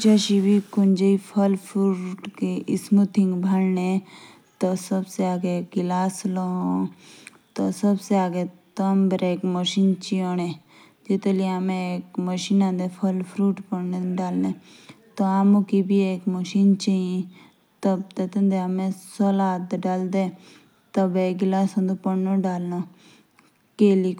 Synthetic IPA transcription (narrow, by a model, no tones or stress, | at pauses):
d͡ʒɐʃibʱikund͡ʒəipʰɐlpʰɾuːʈkeʔismut̪ʰiŋɡbʱɐɽnẽ | t̪osɐbseaːɡeɡilaːsloɦõ | t̪osɐbseaːɡet̪ɐmbɾeːkməʃiːnt͡ʃioːnẽ | d͡ʒit̪eliamẽekməʃiːnãːnd̪epʰəlpʰɾuːʈpəɳneɖaːlne | t̪oaːmõkibieːkməʃiːnt͡ʃiĩ | t̪əbt̪et̪ənd̪eamẽsoːlaːt̪ɖaːld̪e | t̪əbeːɡɪlaːsõːnd̪opəɳnõɖaːlno | keːli